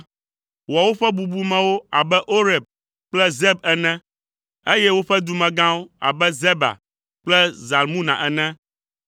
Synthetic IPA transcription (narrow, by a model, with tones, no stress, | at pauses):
wa˨wo˦ɸɛ˦bu˨bu˦mɛ̃˨wo˦a˨bɛ˦ʔo˦ɾɛ˨b̚ | k͡plɛ˦zɛ˦b̚ɛ˨nɛ̃˦ | e˦jɛ˦wo˦ɸɛ˦d̪u˨mɛ̃˨ɡã˦wo˦a̰˨bɛ˦zɛ˦ba̰˨ | k͡plɛ˦za˨lmũ˦nã̰˨ʔɛ˨nɛ̃˦